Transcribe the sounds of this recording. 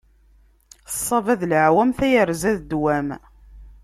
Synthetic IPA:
sˤːɑvæðlʕwæmθæjəɾzæðd̪wæm

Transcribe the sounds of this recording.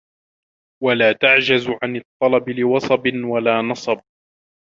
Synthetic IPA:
walaːt̪aʕd͡ʒazʕanɨt̪ˤːɑlɑbɪlɪwɑsˤɑbɪnwalaːnɑsˤɑb̚

